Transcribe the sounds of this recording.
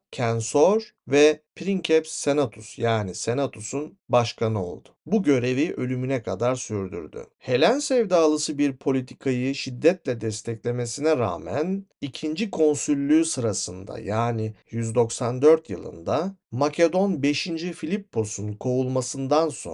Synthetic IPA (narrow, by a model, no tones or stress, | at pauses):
cʰɛnsoɾvɛpʰɾiŋcʰɛpse̞nat̪ʰusjaːnise̞nat̪ʰusun | baʃkʰanɯo̞̰lˠd̪̥ʊ̥buɟø̞ɾe̞viʔø̞lʲymynɛkʰad̪aɾsyɾd̪y̰ɾd̪y̰he̞lʲænsɛvd̪aːlˠɯsɯbiɾpʰo̞lʲit̪ʰi̥kʰajɯʃid̪ːɛt̪lʲɛd̪ɛst̪ʰɛclʲe̞me̞sinɛɾa̰ːmæ̰nicʰind͡ʒikʰo̞nsylʲːyːsɯɾasɯnd̪a̰jaːnijyzd̪o̞ksand̪ø̞ɾt̪jɯ̰lˠɯ̰nd̪amacʰe̞d̪o̞nbe̞ʃind͡ʒifilʲipːo̞sunkʰo̞ulˠmasɯnd̪anso̰